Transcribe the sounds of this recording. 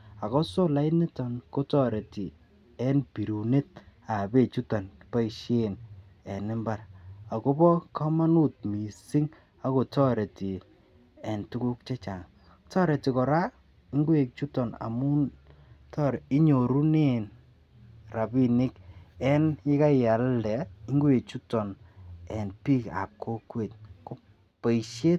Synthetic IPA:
a˨kɔ˦so˦la˦ɪ˦ne˦tɔ˨nko˦tɔ˦ɾe˨ti˨ | ɛ˦npi˨ɾu˨ne˦t̚a˨be˦˨t͡ʃu˦tɔ˨npa˦iʃe˦n | ɛ˨nɪ˦mba˨ra˨ko˦bɔ˦ka˦ma˦nu˦˨t̚mi˨si˦ŋ | a˦ko˨tɔ˦ɾe˨ti˨ | ɛ˨ntu˦ku˦k̚t͡ʃɛ˦t͡ʃa˨ŋ | tɔ˦ɾe˨ti˨kɔ˨ɾa˦ | ɪ˦ŋɡwe˨k̚t͡ʃu˦tɔ˨na̰˨mu˦ | tɔ˦ɾɪ˦ɲo˨ɾu˦ne˦˨n | ra˨bi˦nɪ˦kɛ˦njɪ˦ka˦ja˨ldɛ˨i˦ŋɡu˦e˨k̚t͡ʃu˦tːɔ˨nɛ˨npi˦ka̰˨p̚kʰo˦kwe˨t̚ko˦ | pe˨i˨ʃe˦t̚

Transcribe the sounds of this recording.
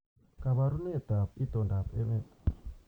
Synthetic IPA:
ka˨βa˨ɾu˦nɛ˦˨t̪a˨pi˦t̪ɔ˨nda˨pɛ˦mɛ˦˨t

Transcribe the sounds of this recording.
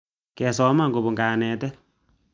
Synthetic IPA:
kɛ˨sɔ˦ma˦˨ŋɡo˨bo˨ŋɡaː˨nɛː˨tɛ˦

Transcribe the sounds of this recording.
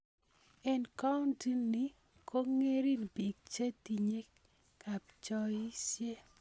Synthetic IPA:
ɛ˨nka˦ʊ˦nti˦nːi˨ | kʰo˦ŋe˦ɾi˦nbi˨k̚t͡ʃe˦ti˨ɲe˦k | ka˨p̚t͡ʃɔ˦i˦sje˦

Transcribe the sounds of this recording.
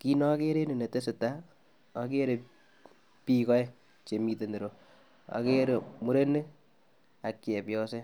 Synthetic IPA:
ki˦nɔ˦ke˦ɾe˦ne˨ne˨te˦se˨ta˦ | a˨ke˦ɾe˨ | pi˦kɔ˦ɛ˦ | t͡ʃe˨mi˨te˨nde˨ɾo˨ | a̰˨ke˦ɾe˨mu˦ɾe˦ne˦ | a˨ke˨pjɔ˦se˦

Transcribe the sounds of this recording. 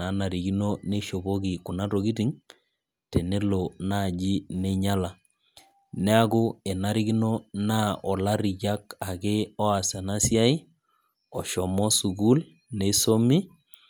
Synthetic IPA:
a˨˦na˨ɾi˨ɡi˦no˦ne˦ʃo˨bo˦ki˨ku˨na˦to˨ki˦ti˦ŋ | tɛ˨ne˦lo˨na˦˨d͡ʒi˦nɛ˦ɲa˦la˨ | nɛ˦a˦kʊ˦ɛ˨na˨ɾi˦ɡi˦no˦na˦ɔ˨la˦ɾi˨d͡ʒa˦ka˨ke˦ɔ˦a˨sa˨na˦sja˦i˦ | ɔ˨ʃɔ˨mɔ˦su˨ɡu˦l | ne˦so˦mi˦

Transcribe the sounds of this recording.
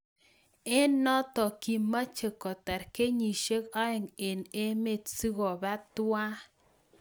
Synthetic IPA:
e˦nːɔ˦t̪ɔ˨ki˨mːa˦t͡ʃe˨kɔ˨t̪ɛ˨ɾke˦ɲi˨ʃe˦ka˦ɛ˨ŋe˨ne˦me˦t̪si˦ɣo˨ba˦t̪wwa˦

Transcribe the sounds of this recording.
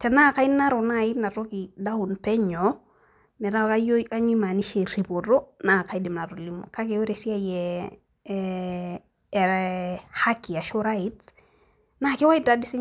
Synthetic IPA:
tɛ˨na˦ka˦i˦na˦ɾo˨na˦˨i˦na˨to˦ki˨da˦u˨npɛ˦ɲo˨ | mɛ˨ɾa˦˨ka˦jo˦ka˦ɲi˦ma˨ni˦ʃe˨ɾi˨po˨ɾo˦na˦˨ka˦i˦dɪ˨mna˨ɾo˨li˦mo̰˨ka˦ke˨we˦ɾe˨si˦a˦jɛ˨ | ɾha˦ki˨a˨ʃo˦ɾa˦i˦t | na˦ke˦wa˦ida˨dɪ˦si˦

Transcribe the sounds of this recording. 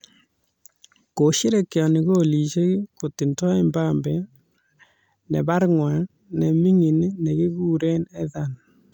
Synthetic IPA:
ko˨ʃi˦ɾe˨kjɔ˨ni˨ɣo˦˨li˨ʃe˦ko˨ti˨ntɔ˦e˦mbambɛ˨ | nḛ˨ba˦ɾŋwa˨ | ne˨mi˦ŋi˨n˦ne˨ɣi˦ɣuː˦˨ɾe˦nɛ˦ða˨n

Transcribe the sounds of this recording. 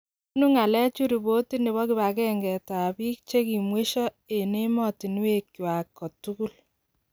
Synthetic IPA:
ku˦nu˦ŋa˨lɛ˦t͡ʃu˦ɾi˨bo˦ti˦ni˨βɔ˦ki˨ba˨kɛ˦ŋɡɛ˨ta˨bi˦k̚t͡ʃe˦ki˨mwe˦ʃɔ˦ | e˨ne˦mɔ˦ti˨n˦we˦kjwa˨kːɔ˨tu˦ku˦l

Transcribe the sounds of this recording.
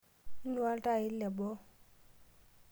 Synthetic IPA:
n˦wa˦ltʼa˦˨i˦lɛ˨bɔ˦

